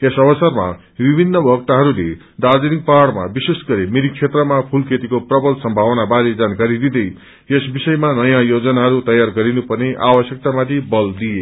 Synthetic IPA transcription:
esʌβʌsʌrma̰ | bibʱinːʌbʱʌɡt̪aɦʌɾule | d̪ad͡zenik̚paɽma̰bisesɡʌɾemiɾik̚t͡ʃʰet̪rʌmapʰulkʰet̪ikoprʌbʌlsʌmbʱawʌnabaɾed͡zankaɾid̪id̪ʌj | esbisʌjmanʌjãjod͡zʌnaɦʌɾut̪ʌjarɡʌɾinupʌrneʔawʌsjʌk̚t̪amat̪ʰibʌld̪ije

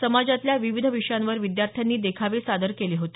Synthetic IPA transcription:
səmad͡zat̪ljaʋiʋid̪ʱəʋiʂjãnʋəɾʋid̪jaɾt̪ʰjanːiːd̪ekʰaʋesad̪əɾkeliːɦot̪i̥

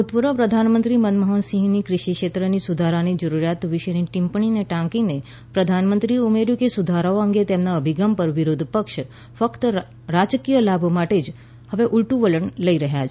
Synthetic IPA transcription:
ut̪puɾəpɾəd̪ʱanmənt̪ɾimənməɦɔnsĩɦnikɾɪʃikʃet̪ɾənisud̪ʱaɾanid͡ʒəɾuɾjat̪ʋɪʃəniʈĩmpɳineʈãkine | pɾəd̪ʱanmənt̪ɾieumeɾjukesud̪ʱaɾaoəŋɡet̪emnaəbʱiɡampəɾʋiɾod̪ʱpəkʃ | fəkt̪ə | ɾad͡ʒkijəlabʱmaʈed͡ʒ | həʋeʔuɭʈuʋələɳləiɾəɦjat͡ʃʰ

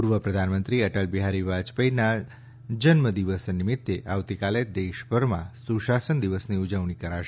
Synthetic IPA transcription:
puɾʋəpɾəd̪ʱanmənt̪ɾiəʈəlbiɦaɾiʋad͡ʒpəina | d͡ʒənməd̪iʋəsnɪmɪt̪ːeʔaʋt̪ikaled̪eʃpəɾmã̰suʃasənd̪iʋəsniud͡ʒəʋɳikəɾaʃe

